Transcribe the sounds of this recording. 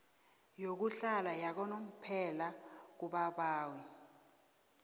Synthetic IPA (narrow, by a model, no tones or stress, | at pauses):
jok̬uɬalajak̬ɔnom̩pʰɛlak̬uɓaɓaːwi